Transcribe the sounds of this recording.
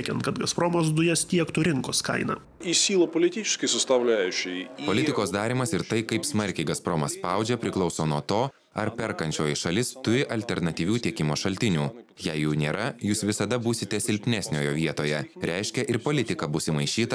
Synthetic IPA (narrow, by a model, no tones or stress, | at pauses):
kʲɛnt̪kɐt̪ɡɐspɾoːmoːs̬d̪ʊjɛst̪ʲiɛkt̪ʊːɾʲɪŋkoːskɐ̰ɪnɐ̰ | isʲiːlˠoːpolʲɪt̪ʲit͡ʃʲɪ̥ʃkɐɪsʊst̪ɐʋlʲæːjʊt͡ʃʲɛɪpolʲɪtʲɪkoːsd̪ɑːɾʲimɐsɪɾt̪ɐɪkɐɪpsmɐɾʲkʲɛɪɡɐspɾoːmɐsspɑˑʊd͡ʒʲɛpʲɾʲɪklˠɒʊsoːnuɔt̪oː | ɐɾpʲɛɾkɐnʲt͡ʃʲoːjɪʃɐlʲɪst̪ʊɾʲɪʔɐlʲt̪ʲɛɾnɐt̪ʲiːʋʲuːt̪ʲiɛkʲɪmoːʃɐlʲt̪ʲɪnʲuːjɛɪjɛʊnʲeːɾɐjuːsʋʲɪsɐd̪ɐbuːsʲɪt̪ʲɛsʲɪlʲpʲnʲɛsʲnʲoːjoːʋʲiɛt̪oːjɛɾʲʔɛɪʃʲkʲɛʔɪɾpoːlʲɪt̪ʲɪkɐbʊsʲɪmɐɪʃʲiːt̪ɐ